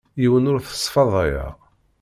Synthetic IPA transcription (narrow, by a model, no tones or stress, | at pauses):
jiwənʊɾθə̥sˤːfɑðˤɑjɑ̰